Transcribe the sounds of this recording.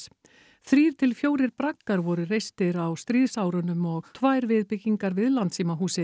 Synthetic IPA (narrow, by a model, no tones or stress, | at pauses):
θɾiːɾ̥t̪ʰɪlfjoːwɾɪɾpɾakkaɾvɔɾʏrejst̪ɪɾawst̪ɾiːðsawɾʏnʏmɔɣt̪ʰvajɾvɪðpɪcːiŋkaɾvɪðlant̪siːmaɦuːsɪ